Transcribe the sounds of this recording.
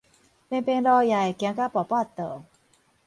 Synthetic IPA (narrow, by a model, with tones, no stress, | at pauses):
pe˧npe˧nɾɔː˧ja˨˩jkɛ˨˧˦ŋka˦˥˩pɔ˨˩paː˥˩˨t̪ːəː˨˩